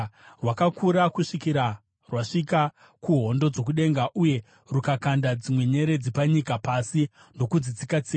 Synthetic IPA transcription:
rwakakʰuɾakuʂikiɾa | rwaʂika | kuɦo̞ndo̞d͡zo̞k̬uɗe̞ŋɡaʔuje̞ | rukakandad͡zimwe̞ɲe̞ɾe̞d͡zipaɲikapasi | ndo̞kud͡zid͡zikat͡si

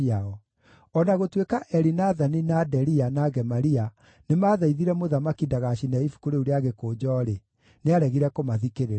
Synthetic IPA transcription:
aɔ | ɔnaɣotwekaʔɛɾinaðaninadɛɾianaɡɛmaɾia | nemaːðaiðiɾɛmoðamakidaɣaɕinɛifu̥koɾeuɾeaɣekoːd͡ʒɔɾe | neaɾɛɣiɾɛkomaðikeɾe

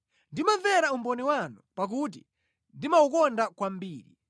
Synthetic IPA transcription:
ndimavɛɾaumbɔnɛwanupak̬ut̬i | ndimaukɔndakwam̩biːɾḭ

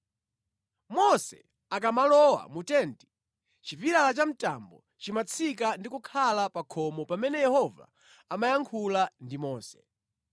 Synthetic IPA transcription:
mɔsɛ̰ | ak̬amalɔwa̰mutɛnti̥ | t͡ʃiviɾalat͡ʃam̩ta̰mbɔ̰ | t͡ʃimat͡sʰik̬andikukʰalapakʰɔmɔpamɛnɛjɛhɔva̰ | amajaŋkʰulandimɔːsɛ̥

